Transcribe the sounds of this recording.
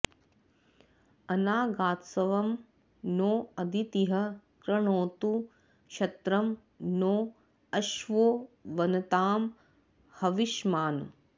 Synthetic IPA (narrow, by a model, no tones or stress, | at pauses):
ɐnaːɡaːt̪sɐʋɐm | noːɐd̪ʱit̪iɦɐkɾɐɳoːt̪u | kʃɐt̪ɾɐm | noː | ɐʃʋoːʋɐnɐt̪aːm | hɐʋiʃmaːnṵ